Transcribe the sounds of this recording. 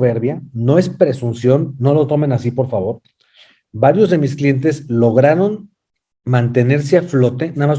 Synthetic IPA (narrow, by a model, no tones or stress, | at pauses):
βe̞ɾβjano̞e̞spɾe̞sunsjo̞nːo̞lo̞t̪o̞me̞nasipo̞ɾfaβ̞o̞ɾ | baɾjo̞zðe̞misklje̞nt̪̬e̞zlo̞ɣ̞ɾaɾo̞n | mãnt̪e̞ne̞ɾseaflo̞t̪e̞nama